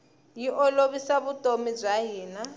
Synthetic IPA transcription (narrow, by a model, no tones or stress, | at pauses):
jiʔɔloβisaβutʼomib͡ʐʷaɦiːna